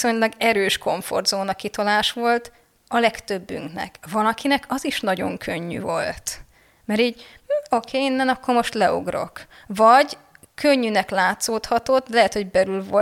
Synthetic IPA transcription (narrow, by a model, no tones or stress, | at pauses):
so̞ɲlɒɡɛɾøːʃko̞ɱfo̰rd̪zoːnɒkit̪olaːʃʋo̞lt̪ | ɒlɛkt̪øbːy̰ŋknɛ̰kvɒlɒkinɛkɒziʃnɒɟo̞̰ŋkʰøɲːy̰vo̞̰lt̪ | mɛɾiːɟm̩ːo̞kʰeːinːɛnɒkːo̞rmo̞ʃt̪lɛo̰ɡro̞̰k | vɒɟ | kʰøɲːynɛklaːt̪soːt̪hɒt̪o̞t̪ːlɛɦɛt̪ho̞ɟbɛɾylvo